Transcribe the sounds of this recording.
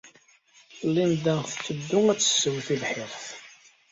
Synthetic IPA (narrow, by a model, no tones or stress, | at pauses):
lːind̪æθt͡sːəd̪ːʊŋæt͡sːə̥sːəwθiðħɪʁθ